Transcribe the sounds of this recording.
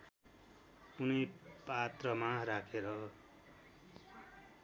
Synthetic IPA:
kunʌpat̪rʌmaɾakʰeɾʌ

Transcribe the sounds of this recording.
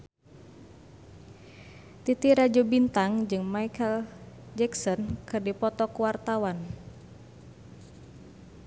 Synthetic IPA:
t̪it̪iɾad͡ʒobint̪aŋd͡ʒɨŋmaikʰəl | d͡ʒɛksɔnkɨrdipɔt̪ɔkuwart̪awan

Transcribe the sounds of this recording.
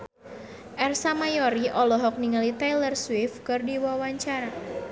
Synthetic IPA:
ʔɛrsamajɔɾiʔɔlɔɦɔk̚niŋalit̪ajlərswɪfkɨrdiwawaɲt͡ʃaɾa

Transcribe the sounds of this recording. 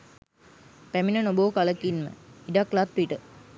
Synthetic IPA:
pæminənoboːkaləkinmə̰iɖaklat̪ʋiʈə

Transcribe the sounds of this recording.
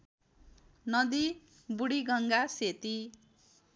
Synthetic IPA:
nʌd̪i | buɽiɡʌŋɡaset̪i

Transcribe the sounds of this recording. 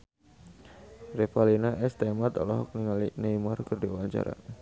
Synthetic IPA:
rɛfalinaʔɛst̪amat̪ɔ̰lɔɦɔk̚niŋalineimɔrkɨrdiawaɲt͡ʃa̰ɾa̰

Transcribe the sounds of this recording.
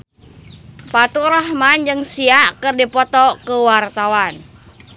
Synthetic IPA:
pat̪uɾahmand͡ʒəŋsiakɨrdipɔt̪ɔkəwart̪awan

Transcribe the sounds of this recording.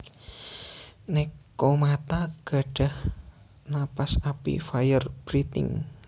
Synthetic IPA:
nɛkːomat̪aɡ̥a̤ɖ̥a̤h | napasapḭfajərb̥ɾit̪ɪ̰ŋ

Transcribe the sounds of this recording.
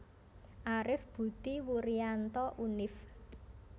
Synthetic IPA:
ʔaɾɪfb̥ṳt̪iwuɾiant̪ɔʔunɪf

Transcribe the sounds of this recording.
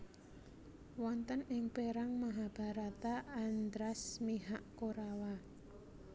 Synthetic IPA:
wɔnt̪ənɪŋpeɾaŋmaɦab̥a̤ɾat̪aːnd̪ɾasmiɦaʔkoɾawa

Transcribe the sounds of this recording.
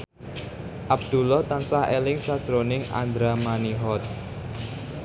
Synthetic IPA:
ʔab̚d̪̥ulɔt̪ansaɦelɪŋsad̥ʒ̥ɾonɪŋa̰nd̪ɾamaniɦɔt̪̚

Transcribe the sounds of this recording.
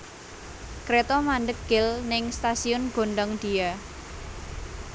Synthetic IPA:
kɾet̪ɔmandəkɪlnɪŋst̪asiʊnɡ̥o̤ɳɖɔŋd̪̥ia

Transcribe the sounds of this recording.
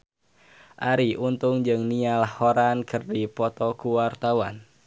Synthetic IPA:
ʔaɾiʔunt̪ʊŋd͡ʒɨŋnialahːoɾankʰɨrdipɔt̪ɔkuwart̪awa̰n

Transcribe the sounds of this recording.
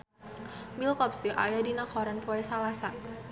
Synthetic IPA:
bilkɔpsiʔajadinakɔɾanpɔɛsalasa

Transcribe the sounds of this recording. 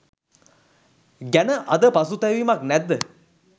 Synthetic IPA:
ɡænəʔɐd̪əpasut̪ɛʋimaknæd̪ːə

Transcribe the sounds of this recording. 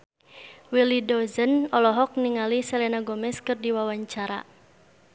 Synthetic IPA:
wilidɔzənɔlɔɦɔk̚niŋalisɛlɛnaɡɔmɛskɨrdiwawaɲt͡ʃaɾa̰

